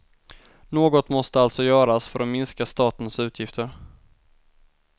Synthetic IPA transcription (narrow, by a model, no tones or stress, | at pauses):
noːɡɔt̪mɔst̪əalt̪sɔjœːɾasfœɾɔmɪnskast̪ɑːt̪ənsʉ̟ːt̪ʰjɪft̪ʰəɾ